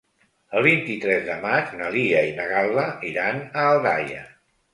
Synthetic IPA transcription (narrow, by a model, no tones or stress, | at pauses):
əlˠβint̪it̪ɾɛzðəmad͡ʒnəliəinəɣalˠləiɾanəːlˠðajə̰